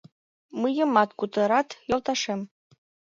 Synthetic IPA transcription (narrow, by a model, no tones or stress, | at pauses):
mɨjə̆mɑt̪kut̪ɤ̆ɾɑt̪jolˠt̪ɑʃem